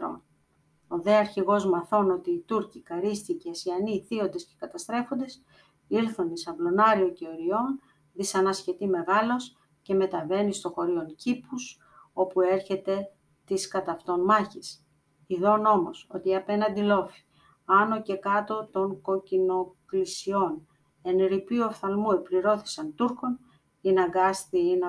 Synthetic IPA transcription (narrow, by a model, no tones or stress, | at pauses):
ɾo̰n | o̞ðe̞ɐɾçiɣo̞zmɐθo̞no̞t̪iːt̪uɾcikɐɾist̪icesiɐniθio̞nd̪e̞sce̞̥kɐt̪ɐst̪ɾe̞fo̞nd̪e̞s | iɾθonisɐvlo̞nɐɾio̞ceoɾio̞n | ðisɐnɐsçe̞t̪ime̞ɣɐlo̞s | ce̞me̞t̪ɐve̞nist̪o̞xo̞ɾio̞ncipus | o̞pue̞ɾçe̞t̪e̞ | t̪iskɐt̪ɐft̪o̞nmɐçis | iðo̞no̞mo̞so̞t̪iɐpe̞nɐnd̪ilo̞fi̥ | ɐno̞ce̞kɐt̪o̞t̪o̞ŋko̞cino̞klisio̞n | e̞nɾipioθɐlmuepliɾo̞θi̥sɐnt̪uɾko̞n | inɐŋɡɐst̪iinɐ